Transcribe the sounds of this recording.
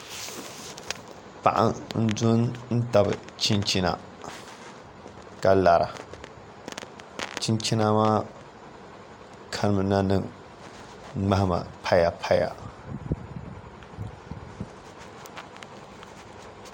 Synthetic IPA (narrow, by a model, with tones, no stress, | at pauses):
pa˨ʔa̰˨n̩˦dʊ˦nn̩˦ta˨bɨ̰˨t͡ʃi˦nt͡ʃi˦na̰˨ | ka˨la˨ɾʔa̰˨ | t͡ʃi˦nt͡ʃi˦na˦maː˦ | kʰa˦n˦˨mɨ˨na˦nɨ˦˨ŋ | ŋ͡ma˦hɪ˦ma̰˨pʰa˦ja˨pʰa˦ja̰˨